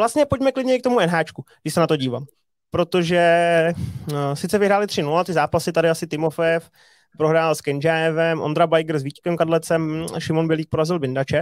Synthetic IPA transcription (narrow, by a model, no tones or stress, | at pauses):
vlast̪ɲɛpo̞ɟmɛklɪdɲɛɪkt̪o̞muɛnɦaːt͡ʃkuɡdɪʃsɛnat̪o̞ɟiːva̰ːm | pɾo̞t̪o̞ʒɛ | sɪt̪t͡sɛvɪɦɾaːlɪt̪r̝̥ɪnulat̪ɪzaːpasɪt̪adɪasɪt̪ɪmo̞fɛɛf | pɾoɦɾaːlskɛnd͡ʒaɛvɛmʔo̰nd̪ɾabajɡɾ̩zviːckɛmkadlɛt͡sɛmʃɪmo̞nbɪɛliːk̚po̞ɾazɪlbɪndat͡ʃɛ